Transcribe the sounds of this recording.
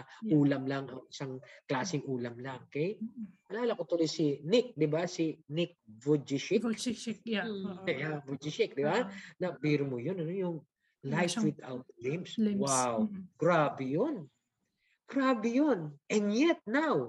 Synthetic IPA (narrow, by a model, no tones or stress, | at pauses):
ʔuːlɐmlɐŋɐŋʔɪsaŋklaːsɪŋuːlɐmlɐŋkɐjʔɐlaːlɐkot̪olojsɪnɪk̚d̪ɪbasɪnɪk̚vud͡ʒɪʃɪkkɛjavʊd͡ʒɪʃɪk̚d̪ɪbanɐbiːɾomojonɐnojʊŋ | lajfwɪd̪a̰wt̪̚lɪmswawɡ̥ɾaːbɛjon | ɡ̥ɾaːbɛjonʔɛ̃nd̪jɛt̪̚naw